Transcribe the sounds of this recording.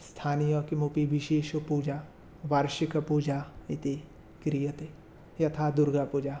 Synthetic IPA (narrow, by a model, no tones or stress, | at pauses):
st̪ʰaːnijokimupiʋiʃeːʃɐpuːd͡ʒaː | ʋaɾʃikɐpud͡ʒait̪e | kɾijət̪e | jɐt̪ʰad̪uɾɡapuːd͡ʒaː